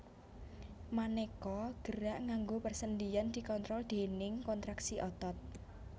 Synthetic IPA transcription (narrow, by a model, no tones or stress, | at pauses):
manekɔɡ̥əɾaʔŋaŋɡopərsənd̪ijand̪̥i̤kɔnt̪ɾɔld̪̥e̤nɪŋkɔnt̪ɾaksiʔɔt̪ɔt̪̚